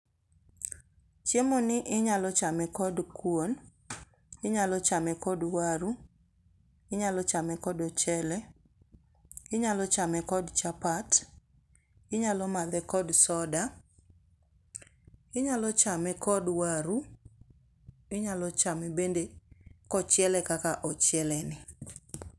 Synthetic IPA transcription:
t͡ʃjemonɪʔɪɲalɔt͡ʃamɛkɔdkwon | ɪɲalɔt͡ʃamɛkɔdwaɾu | ɪɲalɔt͡ʃamɛkɔdɔt͡ʃɛlɛ | ɪɲalɔt͡ʃamɛkɔdt͡ʃapat | ɪɲalɔmad̪ɛkɔdsɔda | ɪɲalɔt͡ʃamɛkɔdwaɾu | ɪɲalɔt͡ʃamɛbendekɔt͡ʃɪɛlɛkakaʔɔt͡ʃɪɛlɛnɪ

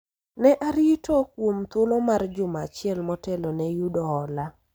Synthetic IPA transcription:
nɛʔaɾitʰokwomt̪ʊlɔmard͡ʒʊmat͡ʃɪɛlmɔtɛlonɛjudɔɦɔla

